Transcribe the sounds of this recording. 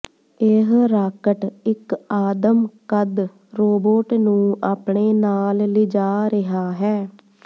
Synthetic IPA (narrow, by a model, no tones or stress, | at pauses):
ɪɦɾaːkəʈɪkaːd̪əmkəd̪ | ɾoːboːʈnũːaːpɳeːnaːllɪd͡ʒaːɾɪɦaːɦɛː